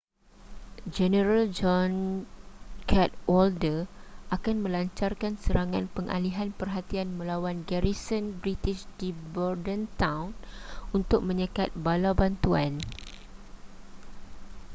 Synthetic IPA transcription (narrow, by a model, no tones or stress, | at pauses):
d͡ʒɛnəɾald͡ʒɔn | kʰɛt̪̚wɔldərʔakanmə̃laɲt͡ʃarkansəɾaŋanpəŋʔa̰liɦanpərɦat̪ianmə̃lawanɡɛɾisɔnbɾit̪ɪʃdibɔrdənt̪ãwnunt̪ʊk̚mə̃ɲəkat̪̚balabant̪uan